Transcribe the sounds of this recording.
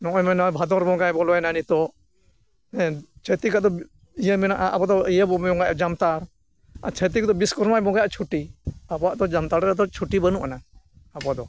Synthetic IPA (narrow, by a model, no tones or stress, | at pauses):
nɔʔɔjmɛnɔbʱad̪ɔɾbɔɡajbɔlɔajnanit̪ɔ | ɛt͡ʃʰət̪ikaʔd̪ɔ | ijəmɛnaʔaʔabɔd̪ɔijəbɔmɔŋɡajd͡ʒamt̪aɾ | at͡ʃʰɛt̪̬ikɔd̪ɔbiskɔɾmajbɔɡajaʔt͡ʃʰuʈiabɔaʔd̪ɔd͡ʒamt̪aɾɾɛd̪ɔt͡ʃʰuʈibənuʔana | abɔd̪ɔ